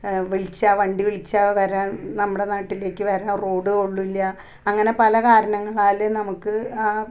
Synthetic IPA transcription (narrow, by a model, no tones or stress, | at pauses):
ʋeɭit͡ɕːaʋɐɳɖiʋiɭit͡ɕːaʋɐɾaːnnɐmːuɽe̞naːʈːile̞ːkːɨʋɐɾaːnro̞ːɽɨoɭːuilːɐ | ɐŋːɐne̞pɐlɐkaːɾɐɳɐŋːɐɭaːlnɐmukːɨaː